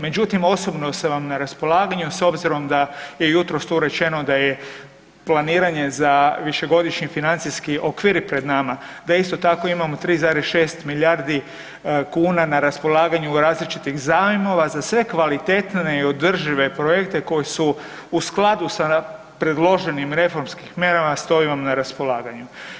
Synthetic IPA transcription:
me̞d͡ʑut̪imo̞so̞bno̞seʋamnaɾaspo̞laːɡaɲuso̞bziɾo̞md̪aje̞jut̪ɾost̪uɾe̞t͡ʃe̞no̞d̪aje | planiːɾaɲe̞zaʋiʃe̞ɡo̞d̪iʃɲifinant̪siskiʔo̞kʋiːɾpɾe̞d̪namad̪aist̪o̞t̪ako̞imamot̪ɾiːzaːɾesʃe̞ːst̪milʲjaɾd̪i | kuːnanaɾaspo̞lˠaːɡaɲuɾaːzlit͡ʃit̪iɣzaːʋimoʋazasʋe̞kʋalit̪et̪ne̞io̞d̪r̩ʒiʋe̞pɾojekt̪e̞ko̞jesu | usklˠad̪usa | pɾe̞d̪lo̞ʒe̞nimɾe̞fo̞ɾmskixmʲje̞ɾamast̪o̞iʋamnaɾaspo̞laːɡaɲu

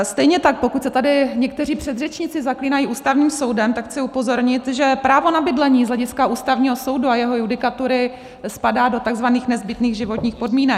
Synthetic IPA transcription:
st̪ɛjɲɛt̪ak̚po̞kucsɛt̪adɪɲɛk̚t̪ɛriːpr̝̥ɛd̪r̝ɛt͡ʃɲɪt͡sɪzakliːnajiʔuːst̪avɲiːmso̞wdɛmt̪akxt͡sɪupo̞zo̞ɾɲɪt̪ʒɛpɾaːvo̞nabɪdlɛɲiːzlɛɟɪskaʔuːst̪avɲiːɦo̞so̞wduajɛɦo̞judɪkat̪uɾɪ | spadaːdo̞t̪aɡzvaniːxnɛzbɪt̪niːɣʒɪvo̞t̪ɲiːxpo̞dmiːnɛ

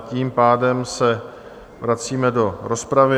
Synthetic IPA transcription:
ciːmpaːdɛmsɛ | vɾat͡siːmɛdo̞ɾo̞spɾavɪ

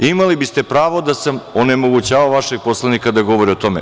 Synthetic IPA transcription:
imalibist̪e̞pɾaːʋod̪asamone̞mo̞ɡut͡ɕaːʋaʋaʃeɡ̚po̞slˠanikad̪aɡo̞ʋo̞ɾio̞t̪o̞mḛ

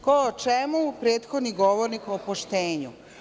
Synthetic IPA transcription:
koot͡ʃemupɾeːt̪xod̪niɡoʋoɾnikopoʃt̪eːɲu

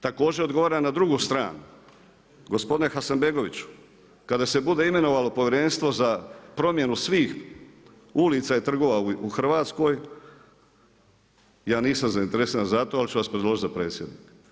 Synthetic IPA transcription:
t̪ako̞ːd͡ʑeod̪ɡo̞ʋaːɾamnad̪ɾuɡuːst̪ɾa̰ːnu | ɡo̞spod̪ine̞xasanbe̞ɡo̞ʋit͡ɕu̥ | kad̪ase̞bud̪e̞ime̞no̞ʋaːlo̞po̞ʋjeɾenst̪ʋo̞zapɾo̞mje̞nusʋiːx | ulit̪sait̪r̩ɡo̞ʋauuxr̩ʋaːt̪sko̞j | jaːniːsamzaint̪e̞ɾesanazat̪oalit͡ʃuʋaspɾed̪lˠo̞ʒit̪zapɾe̞ːt̪sʲjed̪niːk

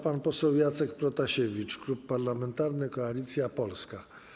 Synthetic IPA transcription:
panpɔsɛwjat̪sɛkpɾɔt̪aɕevʲit͡ʂklupːaɾlamɛnt̪aɾnɘkɔalʲit̪sʲjapɔlska

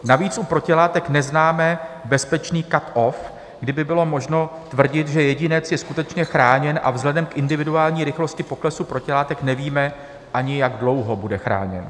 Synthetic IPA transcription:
naviːt͡sʔupɾo̞cɪlaːt̪ɛknɛznaːmɛbɛspɛt͡ʃniːkat̪ʔof | ɡdɪbɪbɪlo̞moʒno̞t̪vr̩ɟɪt̪ʒɛjɛɟɪnɛt͡sjɛskut̪ɛt͡ʃɲɛxɾaːɲɛnʔa̰vzɦlɛdɛmkʔɪndɪvɪduaːlɲiːɾɪxlo̞scɪpo̞klɛsupɾo̞cɪlaːt̪ɛknɛviːmɛ | ʔaɲɪjaɡdlo̞wɦo̞budɛxɾa̰ːɲɛ̰n

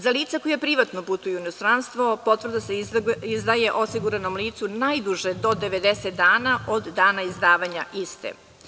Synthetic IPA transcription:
zaliːt̪sakojapɾiʋat̪noput̪ujuinost̪ɾanst̪ʋo̞po̞t̪vr̩d̪aseizd̪ajeʔo̞siɡuɾanomliːt̪sunajd̪uʒed̪o̞d̪eʋed̪eset̪d̪aːnaʔod̪ːaːnaizd̪aːʋaɲaʔist̪ḛ

